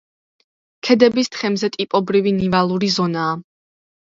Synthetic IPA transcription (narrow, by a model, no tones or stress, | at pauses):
kʰɛd̪ɛbist̪ʰχɛmzɛt̪ʼipʼɔbɾivinivalˠuɾizɔnaː